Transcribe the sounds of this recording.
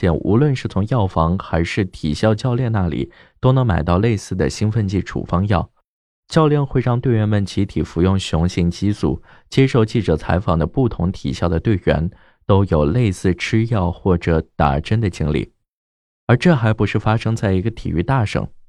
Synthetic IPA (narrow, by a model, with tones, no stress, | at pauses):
ɛ̰˨˩nṵ˧˥lwə˥˧nʂɻ̩˥˩t͡sʰʊ˧˥ŋjɑ˥˩ʊfɑ˧˥ŋxa˧˥ɪʂɻ̩˥˩t̪ʰḭ˨˩ɕjɑ˥˧ʊt͡ɕjɑ˥˧ʊljɛ˥˧nna˥˩lḭ˨˩ | t̪o˥ʊnɤ˧˥ŋma˨˩ɪt̪ɑ˥˧ʊle˥˧ɪsɹ̩˥˩d̪ə̰˩ɕi˥ŋfə˥˧nt͡ɕi˥˩ʈ͡ʂʰṵ˨˩fɑ˥ŋjɑ˥˩ʊ | t͡ɕjɑ˥˧ʊljɛ˥˧nxwe˥˧ɪɻɑ˥˧ŋt̪we˥˩ɪɥɛ˧˥nmə˥˩nt͡ɕʰi˧˥t̪ʰi˨˩fu˧˥jʊ˥˩ŋɕjʊ˧˥ŋɕi˥˩ŋt͡ɕi˥sṵ˥˩t͡ɕjɛ˥ʂo˥˧ʊt͡ɕi˥˩ʈ͡ʂɤ˨˩t͡sʰa˧˥ɪfɑ˨˩ŋd̪ə˦pu˥˩t̪ʰʊ˧˥ŋt̪ʰḭ˨˩ɕjɑ˥˩ʊd̪ə˩t̪we˥˩ɪɥɛ̰˧˥n | t̪o˥ʊjo˨˩ʊle˥˧ɪsɹ̩˥˩ʈ͡ʂʰɻ̩˥jɑ˥˧ʊxwɔ˥˩ʈ͡ʂɤ˧˩t̪a̰˨˩ʈ͡ʂə˥nd̪ə˨t͡ɕi˥ŋlḭ˥˩ | ə˞˧˥ʈ͡ʂɤ˥˩xa˧˥ɪpu˧˥ʂɻ̩˥˩fa˥ʂɤ˥ŋt͡sa˥˩ɪi˧˥ɡə˧t̪ʰḭ˨˩y˥˧t̪a˥˩ʂɤ̰˨˩˦ŋ